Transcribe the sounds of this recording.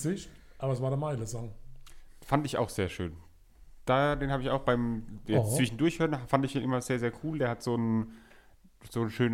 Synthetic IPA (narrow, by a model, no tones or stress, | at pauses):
zɪçtʔaːbɐəs̬vaːɐdeɐmaɪləzɔŋ | fandɪça̰ʊxz̥eːɐʃø̰ːn | d̥aːdeːnhaːbɪçaʊxb̥aɪmjɛt͡st͡sv̥ɪʃn̩dʊɐçhøːɐnfandɪçd̥eːnʔɪmɐzeːɐzeːɐkʰuːldeːɐhatz̥oːn | z̥oːnʃøːn